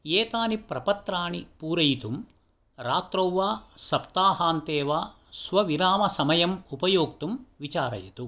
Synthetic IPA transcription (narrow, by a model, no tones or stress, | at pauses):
jeːt̪aːnipɾɐpɐt̪ɾaːnipuːɾɐjt̪um | ɾaːt̪ɾɐwʋaːsɐpt̪aːɦaːnt̪eːʋaː | sʋɐʋiɾaːmɐsɐmɐjɐmupɐjoːk̚t̪umʋit͡ʃaːɾɐ̰jit̪u